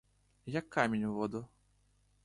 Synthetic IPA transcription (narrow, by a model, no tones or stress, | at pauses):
jakːamʲenʲuvɔd̪u